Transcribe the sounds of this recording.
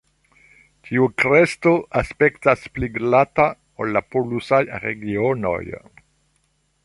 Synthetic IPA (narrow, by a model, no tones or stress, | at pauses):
tʰiukɾest̪oaspekt̪aspliɡlat̪a | olːapolusajɾeɡiono̰j